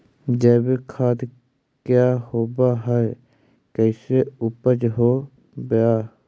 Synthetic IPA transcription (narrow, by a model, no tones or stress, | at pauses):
d͡ʒəːbkʰaːt̪ | kjaːhoːbaɦɛ | kəɪseʊpəd͡ʒɦoː | bjaː